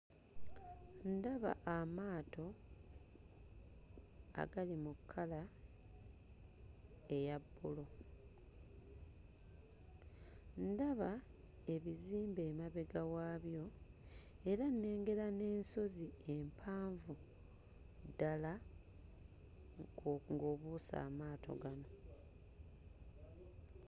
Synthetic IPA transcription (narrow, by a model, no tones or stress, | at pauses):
ndaβa̰ʔamaːto̞ | a̰ɡalimukʰːala | e̞jabːulo̞ | ndaβa | e̞βiziːmbe̞ːmaβe̞ɡawaːβjo̞ | e̞ɾanːe̞ːŋɡe̞ɾane̞ːnso̞zie̞mpʰaːɱvu | dala | ŋɡoːβuːsa̰ːmaːtʰo̞̰ɡano̞